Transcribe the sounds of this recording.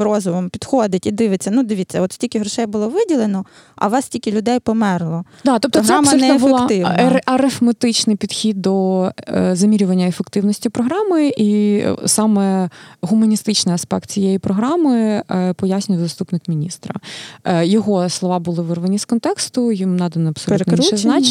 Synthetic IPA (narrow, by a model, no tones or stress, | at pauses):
rɔzʊʋɔmpʲid̪xoɔd̪ɪtʲid̪ɪʋɪt͡sʲːɐnud̪eʋʲitʲsʲɐɔt̪sʲtʲilʲkʲɪɦɾɔʃɛjbʊlˠɔʋɪdʲilˠenɔ | ʔɐ̰ʋɑstʲilʲkʲɪlʲʊd̪ɛjpɔmɛrlˠɔ | d̪ɑt̪ɔp̚t̪ɔɦ̪amɐnɛebʊlˠɑt̪ɪʋnɐʔɐɾɪfmet̪ɪt͡ʃnɪjpʲid̪̥xʲid̪ːɔ | zɐmʲiɾʲʊʋɐnʲːɐefekt̪ɪwnɔsʲtʲipɾɔɦɾɑmɪisɑmɛɦʊmɐnʲist̪ɪt͡ʃnɪjɐspɛk̚t̪̚t͡sʲijɛjipɾɔɦɾɑmɪpɔjasʲnʲʊjwzɐst̪upnɪkmʲinʲist̪ɾɐ̰ | jɔɦɔslˠɔʋɑbʊlˠɪʋɪrʋɐnʲiskɔnt̪ɛkst̪ʊjimnɑd̪ɐnɐɐbpsɔlʲut̪ɛznɑ